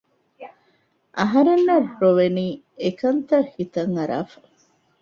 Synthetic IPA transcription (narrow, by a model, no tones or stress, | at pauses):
ʔɐɦɐɾenːɐrɾoʋeniː | ekɐnt̪ɐhit̪ɐŋɐɾa̰ːfɐ̥